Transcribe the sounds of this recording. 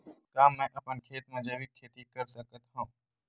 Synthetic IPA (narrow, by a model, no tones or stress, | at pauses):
kaːmnãʔəpənkʰeːt̪mãːd͡ʒəʋiːkʰːeːt̪iːkəɾsəkət̪ɦõː